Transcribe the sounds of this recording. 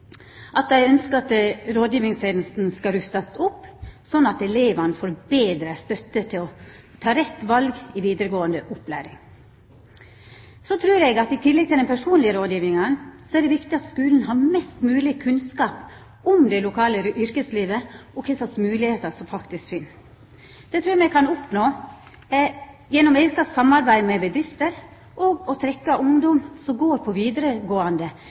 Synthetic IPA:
ʔɑt̪̚æɪœnskəɑt̪ɾoːd̪jiːʋɪŋsɛnlst̪n̩skɑɾʉst̪ɑsʊpːsɔnːɑt̪ɛleːʋɑnəfoːɾbeːd̪ɾəst̪œt̪ːət̪ʰɪlɔ | t̪ʰɑːɾɛt̪ːʋɑlɡɪʋiːd̪əɾəɡoːənd̪əʔʊplæ̰ːɾɪŋ | sɔt̪ʰɾʉːɾɛɡɑt̪ɪt̪ʰɪlːɛɡ̚t̪ʰɪlɛnpʰæʂuːnlɪəɾoːd̪jiːʋɪŋɑnsɔæɖɛʋɪkt̪ɪɑt̪skʉːln̩ɦɑːɾmɛst̪mʉːlɪkʰʉnskɑːp | ʊmd̪ɛlʊkʰɑːləʔʏɾkəsliːʋəɔkʰɛsɑsmʉːlɪheːt̪ɑsɔmfɑkt̪ɪskfɪn | d̪̥ɛt̪ʰɾʉːɾmɛkʰɑnɔpnoː | jɛnːɔmeːkɑsɑmːɑɾbæɪmɛbəd̪ɾɪft̪əɾ | ʔoːɡɔt̪ʰɾɛkːɑʔʊŋd̪ɔmsɔmɡoːɾpʰɔʋiːd̪ɾəɡoːɑnd̪ə

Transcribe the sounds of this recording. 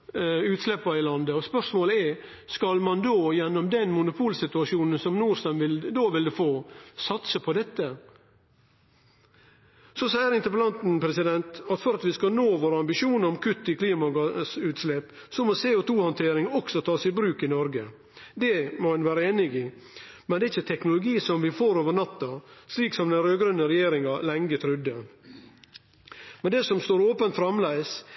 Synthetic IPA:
ʉːt̪slɛpːɑɪlɑnd̪əɔspœʂmoːləɛɾ | skɑlmɑnd̪oːjɛnːɔmd̪ɛnmʊnʊpʰuːlsɪt̪ʉɑʂjuːnənsɔmnuːɾst̪ɑmʋɪld̪oːʋɪld̪ʉfoːsɑt̪səpʰɔd̪ɛt̪ːə | sɔsæɪəɾɪnt̪əɾpəlɑnt̪n̩pɾɛsɪd̪ɛnt̪ɑt̪fɔɾɑt̪ʋɪskɑnoːʋoːɾəɑmbɪʃuːnəɾɔmkʰʉt̪ːɪkʰliːmɑɡɑsʉːt̪sleːp | sɔmoseːʊt̪ʰuːhɔnt̪ʰeːɾɪŋɔksɔt̪ʰɑːsɪbɾʉːkɪnɔɾɡə | d̪ɛmoɛnʋæːɾəeːnɪɡɪ | mɛnd̪ɛːɪçːət̪ʰɛknʊlʊɡiːsɔmʋɪfoːɾoːʋəɳɑt̪ːɑsliːksɔmd̪ɛnɾøːɡɾʉnːəɾɛjeːɾɪŋɑlɛŋɡət̪ʰɾʏd̪ːə | mɛnd̪ɛsɔmst̪oːɾoːpənt̪fɾɑmlæɪs

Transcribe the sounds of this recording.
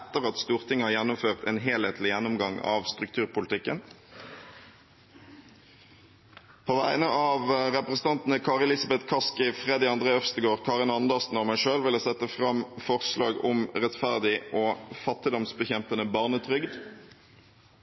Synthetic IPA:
t̪ːəʁɑt̪st̪uːʁt̪ʰɪŋːəhɑːʁjɛnːʊmføːʁt̪eːnɦeːlheːt̪ʰlɪjɛnːʊmɡɑŋɑ̰ːʋst̪ʁʉk̚t̪ʰʉːʁpʊlt̪ʰɪkːən | pʰoːʋæɪnəʔɑːʋʁɛpʁəsn̩t̪ɑnt̪n̩əkʰɑːʁɛlɪsɑbɛt̪kʰɑskɪfʁɛd̪ɪɑnd̪ʁeːəfst̪əɡoːʁkʰɑːʁɪnɑnd̪əʁsn̩ɔmæɪʂøːlʋɪlosɛt̪ːəfʁɑmfɔʁslɑːɡʊmʁɛt̪fæʁd̪ɪʔoːfɑt̪ːɪd̪ɔmsbəçɛmpənəbɑːʁnət̪ʰʁʏɡd̪

